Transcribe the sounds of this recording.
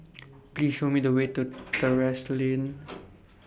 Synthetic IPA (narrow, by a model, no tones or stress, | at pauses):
pliːsʃoːmid̪əweːt̪ut̪əɹɛslin